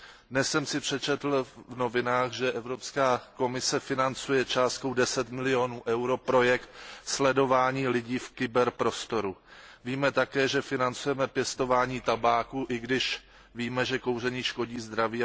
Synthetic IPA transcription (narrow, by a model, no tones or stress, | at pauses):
dnɛssɛmsɪpr̝̥ɛt͡ʃɛt̪l̩vno̞vɪnaːxʒɛʔɛvɾo̞pskaːko̞mɪsɛfɪnant͡sujɛt͡ʃaːst̪̚kowdɛsɛt̪mɪlɪo̞nuːʔɛwɾo̞pɾo̞jɛkt̪slɛdo̞vaːɲiːlɪɟiːfkɪbɛɾpɾo̞st̪o̞ɾuviːmɛt̪akɛːʒɛfɪnant͡sujɛmɛpjɛst̪o̞vaːɲiːt̪abaːkuːʔɪɡdɪʃ | viːmɛʒɛko̞wr̝ɛɲiːʃko̞ɟiːzd̪ɾaviː